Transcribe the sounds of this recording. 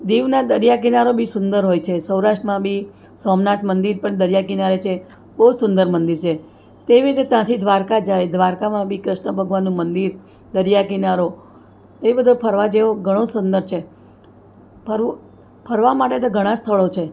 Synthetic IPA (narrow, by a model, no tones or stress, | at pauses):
d̪iʋnad̪əɾjakinaɾobʱisʊnd̪əɾɦojt͡ʃʰesəwɾaʃʈəmãbʱi | sɔmnaʈ̪ʰmənd̪iɾpəɳd̪əɾjakinaɾet͡ʃʰe | bəɦusʊnd̪əɾmənd̪iɾt͡ʃʰe | t̪eʋiɾit̪et̪jãt̪ʰid̪ʱʋaɾkad͡ʒaed̪ʱʋaɾkamãbʱikɾɪʃɳəbʱəɡʱʋanːũmənd̪iɾ | d̪əɾjakinaɾo | t̪əibəd̪ʱopʰəɾʋad͡ʒeoɡʱəɽ̃osənd̪əɾt͡ʃʰe | pʰəɾ | pʰəɾʋamaʈet̪oɡʱəɽ̃ãst̪ʰəɭot͡ʃʰe